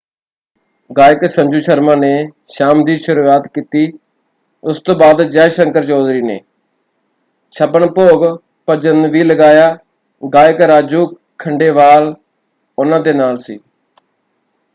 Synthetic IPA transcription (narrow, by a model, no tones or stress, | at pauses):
ɡaːjɪksəɲd͡ʒuːʃəɾmãːneː | ʃaːmd̪iːʃʊɾuːaːt̪kiːt̪iː | ʊst̪õːbaːd̪d͡ʒɛːʃəŋkəɾt͡ʃɔːd̪ɾiːnḛː | ʃʰəbəɳpoːɡ | pəd͡ʒənʋiːləɡaːjaː | ɡaːɪkɾaːd͡ʒuː | kʰːəɳɖeːʋaːl | ʊnãːd̪eːnaːlsḭː